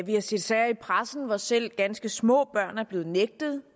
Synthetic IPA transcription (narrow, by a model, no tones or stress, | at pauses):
ʋihɑse̝d̥sɛɐ̰ipʰʁasn̩ʋɒsel̰ɡ̥ænsɡ̥əsmɔ̰̽ːb̥ɶɐ̰næɐb̥le̝ːð̞̩ˠneɡ̥̚d̥ð̩ˠ